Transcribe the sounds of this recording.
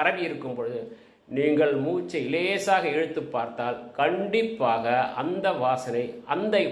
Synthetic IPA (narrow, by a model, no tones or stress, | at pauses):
ɐɾɐʋɪjɪɾɯkːɯmpɔɻɯðɯ | niːŋɡɐɭmuːt͡ʃːɐɪleːsaːɣɐɛɻɯt̪ːɯpːaːɾt̪aːlkɐɳɖɪpːaːɣɐʔɐ̰nd̪ɐʋaːsɐnɐɪʔɐnd̪ɐɪ